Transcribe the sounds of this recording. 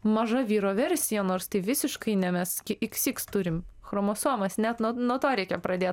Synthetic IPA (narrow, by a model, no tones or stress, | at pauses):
mɐʒɐʋʲiːɾoːʋʲɛɾʲsʲɪjɛnoːɾst̪ɐɪʋʲɪsʲɪʃkɐɪnʲɛmʲɛskʲɪʔɪksʲiːkst̪ʊɾʲɪmxɾoːmoːsuɔmɐsnʲɛt̪nuɔnuɔt̪oːɾʲɛɪkʲɛpɾɐd̪ʲeːt̪